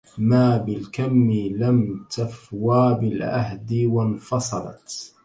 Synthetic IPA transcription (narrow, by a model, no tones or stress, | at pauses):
maːbɪlkamːɪlamt̪afwaːbɪlʕa̰ɦd̪ɪwanfɑsˤɑlɑ̰t̪